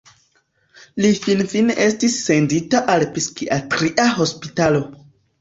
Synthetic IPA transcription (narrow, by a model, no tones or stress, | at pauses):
lifinfinʔe̞stisːe̞nditaʔalpiskiʔatɾiʔaɦo̞spitalo̞